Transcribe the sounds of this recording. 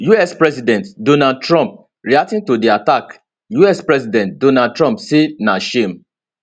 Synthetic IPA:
juɛspɹɛsidɛ̃ntdõnad̚tɹɔ̃mp̚ | ɹiatĩntodiatak | juɛspɹɛsidɛ̃nt̚donad̚tɹɔ̃mpsenaʃẽm

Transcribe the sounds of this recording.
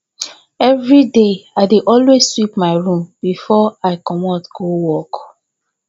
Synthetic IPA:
ɛvɹideaɪdeʔɔlwezswipmaɪɹũmbifɔaɪkɔmɔtɡ̥owɔk

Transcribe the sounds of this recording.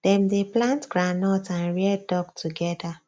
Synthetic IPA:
d̥ɛ̃mdeplãntɡ̥ɹanɔtãnɹɛdɔɡtʰuɡɛda

